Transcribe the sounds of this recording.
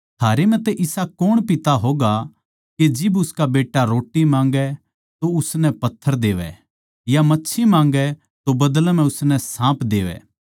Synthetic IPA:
t̪ʰaːɾemɛ̃t̪eʔɪsakoɽ̃pɪt̪aɦoːɡa | ked͡ʒɪbʊskabeːʈːaɾoːʈːimãːŋɡɛ | t̪oʊsnɛpɐt̪ʰːəɾd̪eːʋɛ̰ | jamɐtːʃʰimãːŋ̆ɡɛ | t̪obɐd̪əlmɛ̃ʊsnɛsãːpd̪eːʋɛ̰ː

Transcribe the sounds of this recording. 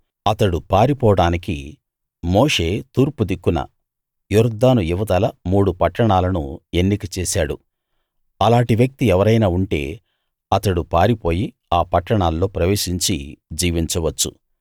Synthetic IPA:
ɐt̪ɐɽupaːɾipɔːɐɽaːniki | moːʂe̞ːt̪uːɾpud̪ikːunɐ̰ | juɾd̪aːnujuʋɐd̪ɐlɐmuːɽupɐʈːɐɳaːlɐnṵe̞nːikɐt͡ʃeːsaːɽṵ | ɐlaːɳʈiʋjɐk̚t̪iɛʋɐɾɐjnaːuɳʈe̞̰ː | ɐt̪ɐɽupaːɾipo̞ːji | aːpɐʈːɐɳaːlːo̞ːpɾɐʋe̞ːʃiɲt͡ʃḭd͡ʒiːʋiɲt͡ʃɐʋɐt͡ʃːṵ

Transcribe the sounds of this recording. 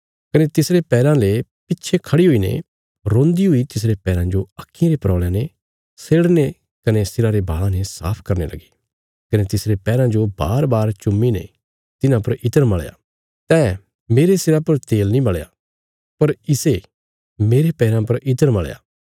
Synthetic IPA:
kɐnet̪ɪsɾepɛːɾãlepɪtːʃʰekʰɐɽiɦʊinḛ | ɾõːnd̪iɦʊit̪ɪs̬ɾepɛːɾãd͡ʒoɐkʰːĩɾepɾɔːɭjãne | seːɽne | kɐnesɪɾaɾeba̰ːɭãnesa̰ːpʰkɐɾnḛlɐ̰ɡe | kɐnet̪ɪsɾepɛːɾãd͡ʒoba̰ːɾbaːɾt͡ʃʊmːinḛ | t̪ɪnãpɐɾɪt̪əɾmɐɭja̰ | t̪ɛː | meːɾesɪɾapɐɾt̪eːlnĩbɐɭja̰ | pɐɾɪse | meːɾepɛːɾãpɐɾʔɪt̪əɾmɐɭja̰ː

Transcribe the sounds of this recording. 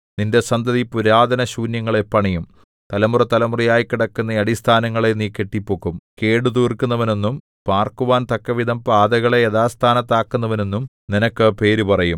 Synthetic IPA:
ninde̞sɐnd̪ʱɐðipuɾaːd̪ɐnɐɕuːnjɐŋːɐɭe̞pːɐɳijum | t̪ɐlɐmurɐt̪ɐlɐmurɐjaːjkːiɽɐkːunːɐɐɽist̪ʰaːnɐŋːɐɭe̞niːkːe̞ʈːipːoːkːumke̞ːɽud̪uːrkunːɐʋɐne̞nːum | paːrkuʋaːnt̪ɐkːɐʋid̪ʱɐmpaːd̪ɐɣɐɭeeðaːst̪ʰaːnɐt̪ːaːkːunːɐʋɐne̞nːum | ninɐkːɨpe̞ːɾupɐrɐjum

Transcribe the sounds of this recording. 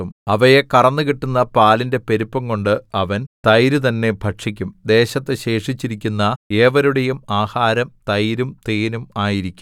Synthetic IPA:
umɐʋɐjekɐrɐnːɨkiʈːunːɐpaːlinde̞pe̞ɾupːɐŋko̞ɳɖɨɐʋɐnt̪ɐjɾut̪̬ɐnːe̞bʱɐʈʂikʲːumd̪e̞ːɕɐt̪ːeɕe̞ːʂit͡ɕːiɾikʲːunːɐe̞ːʋɐɾuɽejumaːhaːɾɐmt̪ɐjɾumt̪eːnumaːjiɾikʲːum

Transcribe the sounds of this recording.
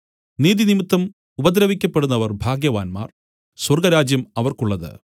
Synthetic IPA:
niːðinimit̪ːɐm | ubɐd̪ɾɐʋikʲːɐpːe̞ɽunːɐʋɐrbʱaːɡjɐʋaːnma̰ːr | swɐrɡɐɾaːd͡ʑjɐmɐʋɐrkuɭːɐðɨ̰

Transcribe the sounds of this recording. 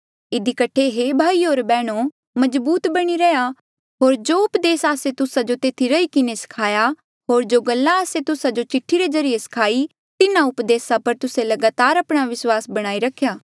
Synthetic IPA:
ɪd̪ikəʈʰeɦebʱaːiɦoːɾbɛːɽ̃o | mɐzbuːt̪bɐɽ̃iɾɛja | ɦoːɾd͡ʒoːʊpd̪eːsaːset̪ʊsad͡ʒot̪eːt̪ʰiɾɐikɪnesɐ̥kʰaːja | ɦoːɾd͡ʒoːɡɐlːaəset̪ʊsad͡ʒot͡ʃɪʈʰːiɾezɐɾɪjesɐ̥kʰaːi | t̪ɪnãʊpd̪eːsapɐɾt̪ʊsẽlɐɡaːt̪aːɾɐpɽ̃aʋɪswaːsbɐɽ̃aːiɾɐkʰːjaː

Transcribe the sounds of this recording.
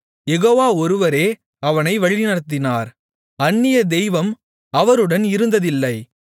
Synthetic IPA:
jɛɣoːʋaːɔɾɯʋɐɾeː | ɐʋɐnɐɪʋɐɻinɐɽt̪̬ːɪnaːɾ | ɐnːɪjɐd̪ɛjʋɐm | ɐʋɐɾɯɽɐnɪɾɯnd̪ɐðɪlːɐɪ

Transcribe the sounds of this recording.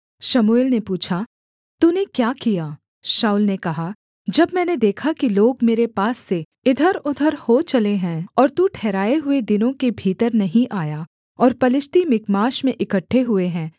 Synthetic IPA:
ʃɐmuɪlnepuːt͡ʃʰa | t̪uːnekjaːkijaː | ʃaːʊlnekɐɦa | d͡ʒɐbmɛ̃ːned̪eːkʰakiloːɡmeːɾepaːsːe | ɪd̪ʱəɾʊd̪ʱəɾhot͡ʃɐleɦɛ̃ːɔːɾt̪ũʈʰɛːɾaːeɦʊed̪ɪnõkebʱiːt̪əɾnɐɦĩʔaːja | ɔːɾpɐlɪst̪imɪkmaːʃmẽʔɪkəʈʰːeɦʊeɦɛ̃ː

